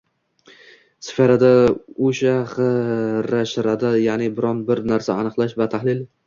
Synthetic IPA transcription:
sɪ̥faɾad̪aoʃaχɨɾaʃɾad̪ajaʕnɪbɪɾɒnbɪɾnaɾsaːnɨqlˠaʃvat̪ʰahlɪl

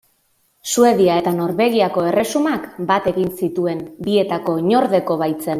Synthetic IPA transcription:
sue̞ðiae̞t̪ano̞ɾβe̞ɣiako̞e̞re̞sumakbat̪e̞ɣinsit̪ue̞mbie̞t̪ako̞iɲo̞ɾðe̞ko̞β̞ajt͡se̞n

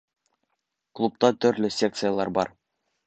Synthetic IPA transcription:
klˠup̚t̪ɑt̪ɵ̆ɾlɘsʲek̚t̪sɨjalˠɑɾbɑɾ

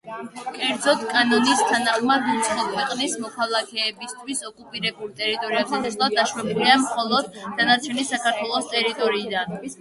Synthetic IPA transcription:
kʼɛɾd̪zɔt̪ʰkʼanɔnist̪ʰanaχmad̪ut̪sʰχɔkʰwɛqʼnismɔkʰalˠakʰɛːbist̪ʰwisɔkʼupʼiɾɛbulˠt̪ʼɛɾit̪ʼɔɾiabzɛɛslˠad̪aʃɾɛbiliamχɔlˠɔd̪ːanat͡ʃʰɛnisakʰaɾt̪ʰwɛlˠɔst̪ʼɛɾit̪ʼɔɾiːd̪an

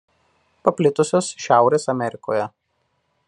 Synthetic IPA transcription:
pɐpʲlʲɪt̪ʊsʲoːsʃʲæˑʊɾʲeːsɐmʲɛɾʲɪko̰ːjɛ

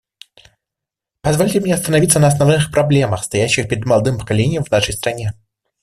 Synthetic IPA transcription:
pɐzvolʲtʲɪmʲnʲeɐst̪ənɐvʲit̪sənəɐsnɐvnɨxpɾɐblʲe̞məxst̪ɐjæɕːɪxpʲɪɾʲɪd̪mɐlˠd̪ɨmpə̥kɐlʲenʲɪjəmvnaʂəjst̪ɾɐnʲe

